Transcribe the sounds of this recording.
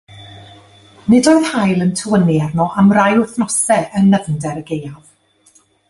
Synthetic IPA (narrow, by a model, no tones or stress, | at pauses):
nɪdoːɨðhajlˠəntʰəwəniarnɔʔamrajʊθnɔsɛʔənːəvndɛɾəɡejav̥